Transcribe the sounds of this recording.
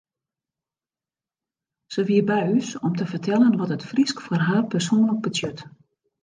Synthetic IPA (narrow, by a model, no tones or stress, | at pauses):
səʋiəbɛjysɔmtəvərtʰɛlˠənʋɔtətfriskforɦaːrpərsoːnlək̚bətjøt